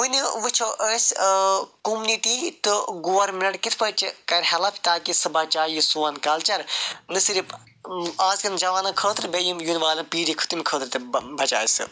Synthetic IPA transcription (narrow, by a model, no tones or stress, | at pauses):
ʋɨniʋɨt͡ʃʰoʔəːs | kumniʈiːt̪ɨɡoːɐɾmʲnɐɽkit̪ʰpɐt͡ʃkɐɾʲhɐlɐpʰʲt̪aːkisɨbɐt͡ʃaːjisuːɐnkɐlt͡ʃɐɾnɨsiɾip | aːzkɐɾɨnd͡ʒɐʋaːnɐkʰəːt̪ʰɨɾbejimjunʋaːlɐnpiːɾikʰɨ̥t̪imʲkʰəːt̪ʰɨɾt̪ɨbɐt͡ʃaːsɨ̰